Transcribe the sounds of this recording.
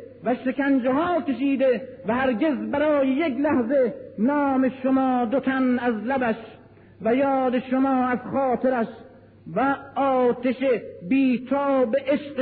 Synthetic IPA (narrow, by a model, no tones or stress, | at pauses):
væʃekænd͡ʒeɦɒːkʲe̞ʃiːd̪evæhæɾɡe̞zbæɾɒːjejeklæhzenɒːmeʃomɒːd̪ot̪ʰænæzlæbæʃ | væjɒːd̪eʃomɒːæzxɒːt̪ʰeɾæʃ | væɒːt̪eʃebiːt̪ʰɒːbeʔeʃq